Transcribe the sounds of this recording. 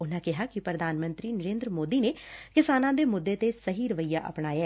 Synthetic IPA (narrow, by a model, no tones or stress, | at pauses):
ʊnãːkɪɦaːkɪpɾəd̪ʱaːnmənt̪ɾiːnəɾeːnd̪ɾəmoːd̪iːneːkɪsaːnãːd̪eːmʊd̪ːeːt̪eːsəɦiːɾəʋəiːaːʔə̰pɳaːjɛː